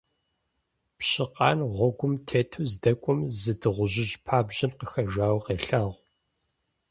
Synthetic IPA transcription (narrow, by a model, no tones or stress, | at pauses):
pɕɪqɑːnʁʷɔɡʷʊmtʰeːtʰuzdɐkʷʼɔmzɨdɨʁʷʊʑɪʒpʰaːbʑɐmqəxɐʒʷaːwqeːɬaːʁʷ